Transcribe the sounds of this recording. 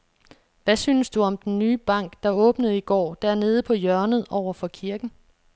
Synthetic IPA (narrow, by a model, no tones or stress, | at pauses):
ʋæsyːnəsd̥uɒ̽md̥enːyːb̥ɑ̈ŋ̰ɡ̥d̥ɑ̈ɔ̽ːb̥nəð̞̩ˠiɡ̥ɒ̰ːd̥æɐne̝ːð̞ˠəpʰɒ̽jɶɐnəð̞̩ˠɒʊɐfɒ̽kʰiɐɡ̥n̩